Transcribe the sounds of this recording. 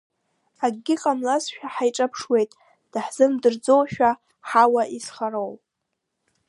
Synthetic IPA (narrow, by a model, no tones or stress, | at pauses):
aɡɡʲɪqʼamlazʃᶣaħajʈ͡ʂʼapʰʂwe̞jtʼ | d̥aħz̥ɨmdɨrd͡zo̞wʃᶣa | ħawaʔisχaɾow